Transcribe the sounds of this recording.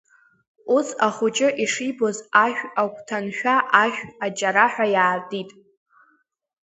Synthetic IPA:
usaχʊt͡ʃʼɪʔiʂibozaʃᶣakʷʰʼtʰanʃᶣaʔaʃʷᶣat͡ʃʼaɾaħʷᶣajaːrdʼitʼ

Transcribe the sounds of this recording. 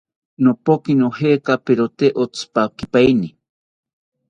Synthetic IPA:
nopokinohekapeɾot̪eʔot͡spakipajni

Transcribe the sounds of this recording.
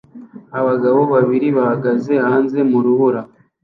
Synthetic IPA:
aβaɡaβo̞βaβiɾiβahaɡaze̞haːnze̞muɾuhuɾa

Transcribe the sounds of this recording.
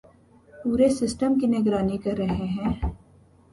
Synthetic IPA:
puːɾesɪsʈəmkinɪɡɾaːnikɐɾːɐɦeɦɛ̃ː

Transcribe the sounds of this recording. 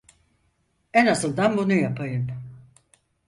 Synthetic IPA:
ɛnasɯlˠd̪anbunujapʰajɯm

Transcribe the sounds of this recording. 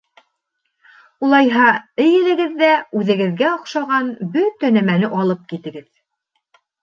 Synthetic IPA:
ulˠɑjɦɑɘ̆jɘ̆lɘ̆ɡɘ̆ðːæʉðɘ̆ɡɘ̆ðɡæoqʃɑʁɑnbɵt̪ænæmænɘʔɑlˠɤp̚kit̪ɘ̆ɡɘð

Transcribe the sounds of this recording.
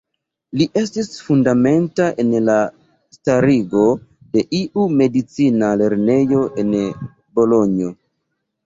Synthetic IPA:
liʔe̞stisfundame̞ntaʔe̞nla | staɾiɡo̞ | de̞ʔiʔume̞dit͡sinale̞ɾne̞jo̞ʔe̞n | bo̞lo̞ɲo̞

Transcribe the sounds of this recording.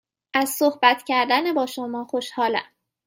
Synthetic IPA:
ʔæzsohbæt̪ʰcʰæɾd̪ænebɒːʃomɒːxo̞ʃhɒːlæ̰m

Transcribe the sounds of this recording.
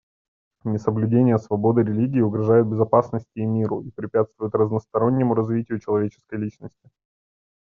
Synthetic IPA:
nʲɪsəblʲʉdʲenʲɪjəsvɐbo̞d̪ɨɾʲɪlʲiɡʲɪːʊɡɾɐʐajʊt̪̚bʲɪzɐpasnəsʲtʲɪːmʲiɾʊ̰ipɾʲɪpʲat̪st̪vʊjʊt̪rəznəst̪ɐɾo̞nʲːɪmʊɾɐzvʲitʲɪjʊt͡ɕɪlˠɐvʲet͡ɕɪ̥skəjlʲit͡ɕnəsʲtʲɪ

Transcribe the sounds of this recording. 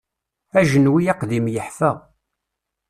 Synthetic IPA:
æʒənwijæqðimjəħfæ

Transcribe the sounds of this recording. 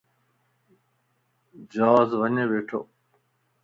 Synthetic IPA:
d͡ʑɔːzʋɐɲeʋeːʈʰo̰ː

